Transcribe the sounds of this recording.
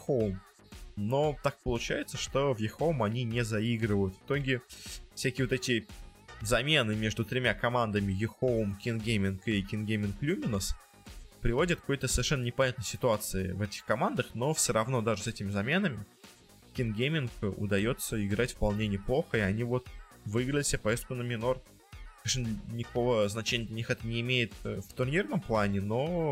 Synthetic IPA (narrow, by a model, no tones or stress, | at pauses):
xom | no̞t̪ak̚pəlˠʊt͡ɕæjɪt̪səʂt̪o̞vjɪxomɐnʲinʲɪzɐiɡɾɨvəjʊt̪vɨ̥t̪o̞ɡʲɪfsʲækʲɪːvot̪ɛtʲɪ | zɐmʲe̞nɨmʲe̞ʐd̪ʊt̪ɾʲɪmʲakɐmand̪əmʲɪjɪxoʊmkʲɪnɡʲemʲɪnkɪkʲɪnɡʲemʲɪnklʲumʲɪnəs | pɾʲɪvo̞dʲɪt̪̚kɐko̞jt̪əsəvʲɪrʂɛnːənʲɪpɐnʲat̪nəjʲsʲɪt̪ʊat̪sɨɪvɛtʲɪ̥xkɐmand̪əxno̞fsʲoɾɐvno̞d̪aʐɨsɛtʲɪmʲɪzɐmʲe̞nəmʲɪ | kʲɪnɡʲemʲɪnkʊ̰d̪ɐjo̞t̪sːəɪɡɾatʲfpɐlˠnʲenʲɪplˠo̞xəɪɐnʲivo̞t̪ | vɨiɡɾəlʲɪsʲəpɐjest̪kʊnəmʲɪno̞r | ʂnlʲnʲɪkɐko̞vəznɐt͡ɕenʲəd̪lʲɛnʲixɛt̪ənʲɪːmʲejɪt̪ft̪ʊrnʲirnəmplˠanʲɪno̞